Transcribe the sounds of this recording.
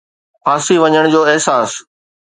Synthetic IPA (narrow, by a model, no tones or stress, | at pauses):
pʰaːsiʋɐɲəɽ̃d͡ʑoːɪɦsaːs